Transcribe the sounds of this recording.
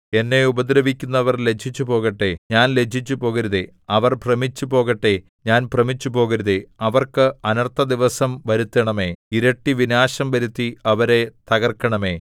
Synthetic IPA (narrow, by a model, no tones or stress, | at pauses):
e̞nːe̞ubɐd̪ɾɐʋikʲːunːɐʋɐrle̞t͡ɕʰit͡ɕːupo̞ːɣɐʈːe̞ɲaːnle̞d͡ʑʰit͡ɕːupo̞ːɣɐɾuðe | ɐʋɐrprɐmit͡ɕːupo̞ːɣɐʈːe̞ | ɲaːnprɐmit͡ɕːupo̞ːɣɐɾuðeɐʋɐrkɨɐnɐrt̪ʰːɐd̪iʋɐsɐmʋɐɾut̪ːɐɳɐme̞ːiɾɐʈːiʋinaːɕɐmʋɐɾut̪ːiɐʋɐɾe̞t̪ɐɣɐrkːɐɳɐme̞ː